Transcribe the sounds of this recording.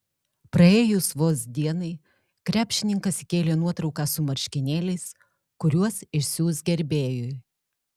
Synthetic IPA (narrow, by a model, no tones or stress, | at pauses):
pɾɐeːjʊsʋoːsd̪ʲiɛnɐɪ | kɾʲæːpʲʃʲɪnʲɪŋkɐskʲeːlʲeːnuɔt̪ɾɒʊkɑːsʊmɐɾʲʃʲkʲɪnʲeːlʲɛɪs | kʊɾʲuɔsɪʃsʲjuːsɡʲɛɾʲbʲeːjʊ